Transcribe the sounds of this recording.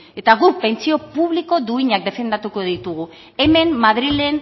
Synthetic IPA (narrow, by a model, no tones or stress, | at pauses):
e̞t̪aɣupe̞nt͡sio̞puβliko̞d̪uiɲak̚d̪e̞fe̞nd̪at̪uko̞ðit̪uɣ̞u | e̞me̞mmaðɾile̞n